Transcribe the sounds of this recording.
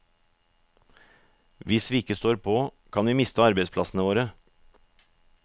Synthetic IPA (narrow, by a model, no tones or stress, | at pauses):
ʋɪsʋiːɪkəst̪oːɾpʰoːkʰɑnʋiːmɪst̪əɑɾbɛɪspʰlɑsn̩əʋoːɾə